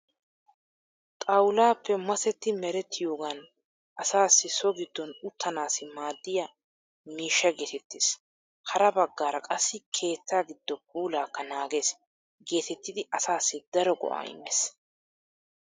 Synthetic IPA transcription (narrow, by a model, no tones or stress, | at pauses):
t̪ʼɐwʊlaːpʰːɛmɐsɛt̪ːɪmɛɾɛt̪ʰːɪjo̞ːɡɐn | ʔɐsaːsːɪsɔɡɪd̪ːɔnʊt̪ʰːɐnaːsɪmaːd̪ːɪjɐ | miːʃːɐɡe̞ːt̪ɛt̪ːes | hɐɾɐbɐɡːaːɾɐkʼɐsːɪkʰe̞ːt̪ːaːɡɪd̪ːɔp̚uːlaːkːɐnaːɡe̞ːs | ɡe̞ːt̪ɛt̪ːɪd̪ɪʔɐsaːsːɪd̪ɐɾɔɡɔ̰ʔa̰ːɪ̰mːɛs